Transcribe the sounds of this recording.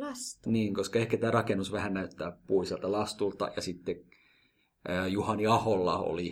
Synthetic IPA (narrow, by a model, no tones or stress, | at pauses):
ɑstniːŋkoskɑehkæt̪æːrɑkenːusʋæhænnæyt̪ːæːpuiselt̪ɑlɑst̪ult̪ɑ̰jɑsit̪ːe | əːjuhɑniɑholːɑ̰o̰li